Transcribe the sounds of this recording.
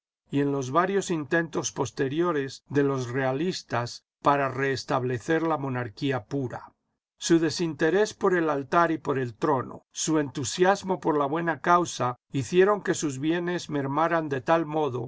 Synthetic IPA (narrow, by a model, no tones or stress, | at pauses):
ie̞nlo̞zβaɾjo̞sint̪e̞nt̪o̞spo̞st̪e̞ɾjo̞ɾe̞zðe̞lo̞sre̞alist̪as | paɾare̞ːst̪aβle̞θe̞ɾlamo̞naɾkiapuɾa̰ | suðe̞sint̪e̞ɾe̞spo̞ɾe̞lalt̪aɾipo̞ɾe̞lt̪ɾo̞no̰sue̞nt̪usjazmo̞po̞ɾlaβwe̞nakawsaiθje̞ɾo̞ŋke̞suzβje̞ne̞zme̞ɾmaɾand̪e̞t̪almo̞ðo̞̰